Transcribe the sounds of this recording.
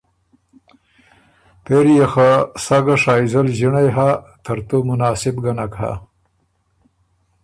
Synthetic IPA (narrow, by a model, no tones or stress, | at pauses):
peɾjexasaɡaʂɑːizalʑiɳajɦa | t̪ʰɐɾt̪omʊnɑːsɪbɡanakha̰